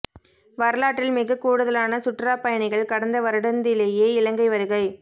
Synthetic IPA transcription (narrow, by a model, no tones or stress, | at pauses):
ʋɐɾɐlaːʈːɪlmɪɣɐkːuːɽɯðɐlaːnɐsʊʈraːpɐjɐɳɪɣɐɭkɐɽɐnd̪ɐʋɐɾɯɽɐnd̪ɪleːjeːɪlɐŋɡɐɪʋɐɾɯɣɐɪ